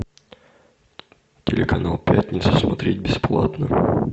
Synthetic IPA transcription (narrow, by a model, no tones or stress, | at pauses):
tʲɪlʲɪkɐnalˠpʲætʲnʲɪt̪səsmɐt̪ɾʲet̚ʲbʲɪsplˠa̰t̪nə